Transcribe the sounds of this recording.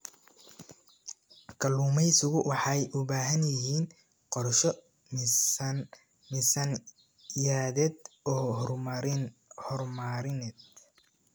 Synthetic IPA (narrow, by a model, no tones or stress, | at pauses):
kʰɐluːmɛjsʊɣʊwɑħɑjʔʊβaːɦɐnjɪɦiːn | qɔrʃɔ | mɪsɐn | jaːðɛd̪ɔː | hɔrmaɾɪnɛd̪